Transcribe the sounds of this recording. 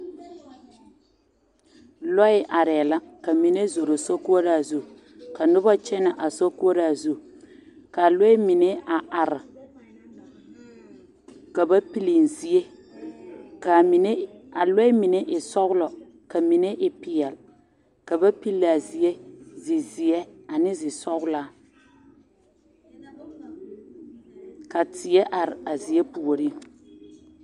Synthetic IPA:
lɔ˦ɪ˦ʔa˨ɾɛ˨la˦ka˨mi˨ne˦zo˨ɾo˨so˦ku˦o˦ɾa˨zu˦ | ka˨nʊ˦ba˦t͡ʃɛ˦na˨ʔa˨so˦ku˦o˦ɾa˦˨zu˦ | ka˨lɔ˦ɪ˦mi˨ne˦a˨ʔa˨ɾɪ˨ | ka˨ba˦pi˦li˨n˨zi˨e˦ | ka˨ne˦a˨le˦ɪ˦mɪ˨ne˦ʔɪ˨sɔ˦ɣʊ˦lɔ˨ | ka˨mi˨ne˦ʔɪ˨pɪ˨ɛ˨l | ka˨ba˦pi˦lːa˨zi˨je˦zɪ˨zɪ˨jɛ˦a˨nɪ˦zɪ˨sɔ˦ɣʊ˦la˦ | ka˨tɪ˨jɛ˦ʔa˨ɾɪ˨a˨zi˨je˦pu˨o˨ɾi˦

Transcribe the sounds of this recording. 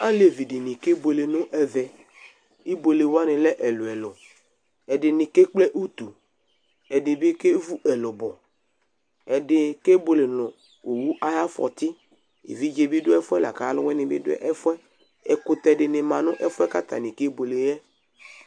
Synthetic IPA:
a˦le˨vi˨dɪ˨nĩ˨ke˦bo˨le˨nʊ̃˦ʔɛ˨vɛ˨ | i˦bo˨le˨wo˦a˦nɪ̃˨lɛ˦ʔɛ˨lʊ˨ɛ˨lɔ˨ | ɛ˨ɖɪ˨nɪ̃˨ke˦k͡plɛ˦ʔu˦t̪u˨ | ɛ˨dɪ˨be˦ke˦vu˦ʔɛ˨lɔ˨bɔ˨ | ɛ˨dɪ˨ke˦bo˨le˨nʊ̃˨ | o˨wu˦ʔa˦ja˦fɔ̰˨t̪ɪ˦ | ḛ˨vi˦d͡ʒe˨bi˦dʊ˦ɛ˦fʊ˦ɛ˦la̰˨ka˨˦lʊ˦wɛ˦nɪ̃˨bɪ̰˦dʊ̰˦ʔɛ˦fʊ˦ɛ˦ | ɛ˨kʊ˨t̪ɛ˨ɖɪ˨nɪ̃˨mã˨nʊ̃˦ʔɛ˦fʊ˦ɛ˦ka˦t̪a̰˨nĩ˨ke˦bo˨le˨jɛ˦

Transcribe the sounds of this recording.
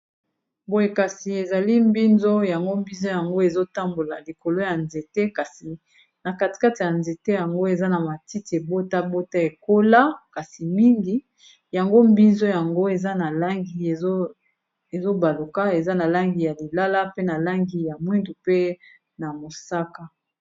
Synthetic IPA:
bo˦je˨ka˨si˨e˨za˨li˦mbi˦nzo˦ja˨ŋɡo˦mbi˦nzo˦ja˨ŋɡo˦e˨zo˦ta˦mbo˨la̰˨li˨ko˨lo˦ja˨nze˨te˦ka˨si˨ | na˨ka˨ti̥˨ka˦ti˨ja˨nze˨te˦ja˨ŋɡo˦e˨za˦na˨ma˨ti˦ti˨e˨bo˦ta˦bo˦ta˦e˨ko˦la˦ka˨si˨mi˦ŋɡi˦ | ja˨ŋɡo˦mbi˦nzo˦ja˨ŋɡo˦e˨za˦na˨la˦ŋɡi˨e˨˦ | e˨zo˦ba˨lo˨ka˦e˨za˦na˨la˦ŋɡi˨ja˨li˨la˦la˦pe˦na˨la˦ŋɡi˨ja˨mwi˦ndu˨pe˦ | na˨mo˨sa˦ka˦

